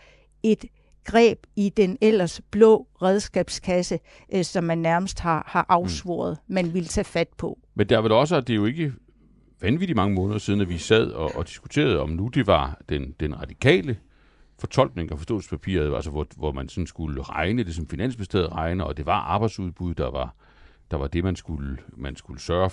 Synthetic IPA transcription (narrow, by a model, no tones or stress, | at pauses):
e̝d̥ | ɡ̥ʁɛ̰ːb̥id̥enel̰ɐsb̥lɔ̰̽ːʁɛð̞ˠsɡ̥ɛ̰ːb̥skʰæsə | ʔsɒ̽mːænːæɐməsd̥hɑ̈hɑ̈ʔɑ̈ʊsʋɔ̰ːɐð̞̩ˠmænʋelt͡sʰɛ̰ːfæd̥̚pʰɒ̽ | mend̥eæɐʋelɒ̽s̬əæd̥e̝jo̝e̝ɡ̥ə | ʋænʋidimɑ̈ŋəmɔ̽ːnð̩ˠɐsiːðˠn̩æʋisæð̞̰ˠɒ̽ʔɒ̽d̥i̥sɡ̥u̥t͡sʰe̝̰ːɐð̞̩ˠɒ̽mnud̥e̝ʋɑ̈d̥end̥enʁɑ̈d̥ikʰɛ̰ːlə | fɒ̽t͡sʰɒ̽l̰ɡ̥ne̝ŋɒfɒsd̥ɔ̰ːspʰæpʰḭɐ̰ælsəʋɒʋɒmænsɒ̽nsɡ̥uləʁɑ̈ɪnəlis̬ɒ̽mfinæn̰sb̥esd̥eð̰ˠʁɑ̈ɪnəɒ̽d̥e̝ʋɑ̈ʔɑ̈ːb̥ɑ̈ɪd̥suð̞ˠb̥uð̞ˠd̥ɑ̈ʋɑ̈ | d̥ɑ̈ʋɑ̈d̥e̝mænsɡ̥uləmænsɡ̥uləsɶːɐ